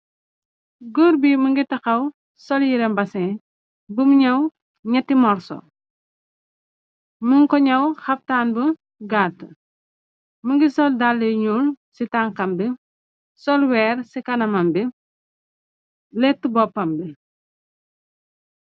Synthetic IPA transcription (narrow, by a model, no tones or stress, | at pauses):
ɡuɾbiməŋɡitɐxɐw | sɔljiɾɛmbɐsɛ | bumɲɐw | ɲɐtːimɔɾsɔ̰ | məŋkɔɲɐwxɐp̚taːnbə | ɡaːtːə | məŋɡisɔldalːiɲul | sitaːŋkɐmbi | sɔlwɛːrsikɐnɐmɐmbi | lɛtːubɔpːɐmbi